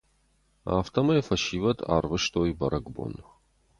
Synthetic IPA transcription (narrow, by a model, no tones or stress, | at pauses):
a̰ːft̪ʰɐmɐjfɐʃivɐt̪ʰa̰ːrvɨʂt̪ʰoːjbɐɾʔɐɡbo̰n